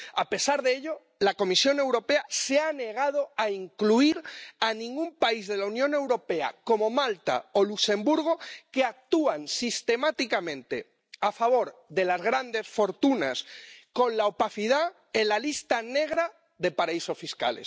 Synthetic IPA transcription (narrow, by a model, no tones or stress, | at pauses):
ape̞saɾðeeʎo̞ | lako̞misjo̞ne̞wɾo̞pe̞aseane̞ɣaðo̞aiŋkluiɾanĩŋɡumpaizðe̞launjõne̞wɾo̞pe̞a̰ko̞mo̞malt̪a̰olukse̞mbuɾɣ̞okeak̚t̪uansist̪emat̪ikamẽ̞nt̪e̞ | afaβ̞o̞ɾðe̞lazɣɾand̪e̞sfo̞ɾt̪unasko̞nlaopaθiða | elalist̪ane̞ɣ̞ɾa | ðe̞paɾaiso̞sfiska̰lḛs